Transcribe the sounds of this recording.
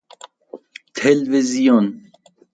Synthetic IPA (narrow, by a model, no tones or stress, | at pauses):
t̪ʰelvezijon